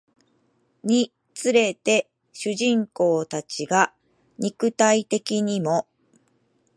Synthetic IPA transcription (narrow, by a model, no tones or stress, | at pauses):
ɲ̟i | t͡sɨɾe̞t̪e̞ | ɕɨʑĩŋko̞ːt̪at͡ɕiɡa | ɲ̟ikɯ̟t̪ait̪e̞kʲiɲ̟imo̞